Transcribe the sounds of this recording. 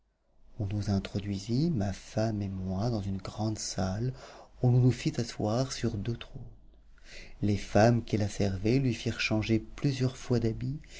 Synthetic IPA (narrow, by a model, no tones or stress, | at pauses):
ɔ̃nuzɛ̃t̪χɔd̪ɥizimafamemwad̪ɑ̃zynɡʁɑ̃d̪salulɔ̃nufit̪aswaʁsyʁd̪øt̪χon | lefamkilasɛʁvelɥifiʁʃɑ̃ʒeplyzjœʁfwad̪abi